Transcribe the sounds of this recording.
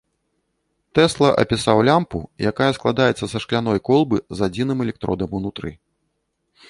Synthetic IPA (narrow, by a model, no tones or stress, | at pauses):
t̪ɛslˠɐʔɐ̰pʲisawlʲampujakajɐsklˠad̪ajɛt̪sːɐsɐʂklʲan̪ɔjkɔlˠbɨzad͡zʲinɨmɛlʲɛk̚t̪ɾɔ̰d̪ɐmunut̪ɾɨ̰